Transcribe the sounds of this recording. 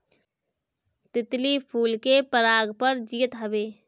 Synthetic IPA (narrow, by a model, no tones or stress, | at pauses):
t̪ɪt̪lipʰuːlkepəɾaːɡpəɾd͡ʒijət̪ɦəbeː